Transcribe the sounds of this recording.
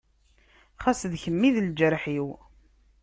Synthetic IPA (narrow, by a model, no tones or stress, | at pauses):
χasðçəmːiðld͡ʒəɾħiw